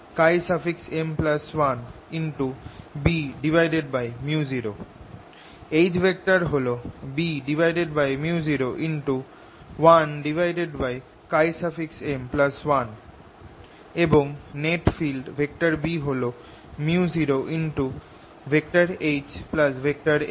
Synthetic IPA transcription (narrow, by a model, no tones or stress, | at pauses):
kajsafiksemplaswan | inʈubiɖibʱajɖeɖbajmjuziɾo | ejd͡ʑbʱek̚ʈaɾɦolobiɖibʱajɖeɖbajmjuziɾoʔinʈu | wanɖibʱajɖeɖbaj | kajsafiksemplaswan | eboŋneʈfilɖbʱek̚ʈaɾbiɦolo | mjiuuziɾoʔinʈu | bʱek̚ʈaɾed͡ʑplasbʱek̚ʈaɾe